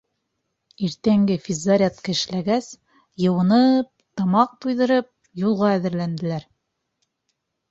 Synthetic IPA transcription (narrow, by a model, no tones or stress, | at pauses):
iɾt̪æŋɡɘfʲizːaɾʲat̪kɘ̆ʃlæɡæs | jɤ̆wɤ̆nɤp̚t̪ɑmɑq̚t̪ujðɤ̆ɾɤp̚ | julˠʁɑæðɘ̆ɾlænd̪ɘ̆læɾ